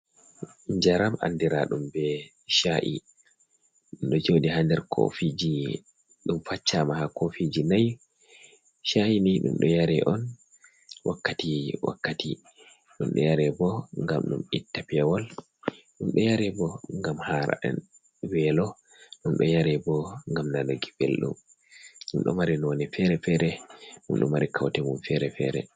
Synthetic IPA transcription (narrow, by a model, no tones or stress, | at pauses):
ɲd͡ʒaɾamʔa̰ndiɾaɗumbɛ | ʃaʔḭ | ɗumɗɔd͡ʒodihandɛɾkʰo̰fid͡ʒi | ɗumfat͡ʃːamahakofid͡ʒinaj | ʃaʔiniɗṵmɗɔjaɾɛʔɔn | wʔa̰kːatiwa̰kːati | ɗumɗɔ̰jaɾɛbɔŋɡa̰mɗṵmitːapɛwɔl | ɗumɗɔjaɾɛbɔŋɡamhaɾa̰ɛ̰n | wɛlɔ | ɗumɗɔjaɾɛbɔŋɡamnalaɡibelɗṵm | ɗumɗɔ̰maɾinwɔnɛfɛɾɛfɛɾɛɗṵmɗṵmaɾikʰawtɛmumfɛɾɛfɛ̰ɾɛ̰